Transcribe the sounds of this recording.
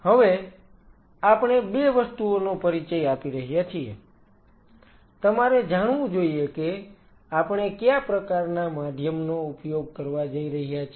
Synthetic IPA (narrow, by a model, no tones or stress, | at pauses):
həʋe | apɽ̃ebeʋəst̪uonopəɾit͡ʃəjapiɾəɦjat͡ʃʰie | t̪əmaɾed͡ʒaɽ̃ʋũd͡ʒoieke | apɳ̃ekjapɾəkaɾnamad̪ʱjəmnoupjoɡ̚kəɾʋad͡ʒəiɾəɦjat͡ʃʰ